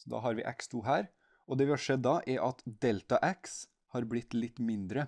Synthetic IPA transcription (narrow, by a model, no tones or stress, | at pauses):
sɔd̪ɑ̰ːɦɑɾʋɪ̰ːʔæ̰kst̪ʰuːɦæːɾ | ɔd̪ɛʋɪːhɑʂɛd̪ːɑʔɛɾʔɑt̪d̪ɛlt̪ɑʔæks | hɑːɾblɪt̪ːlɪt̪ːmɪnd̪ɾə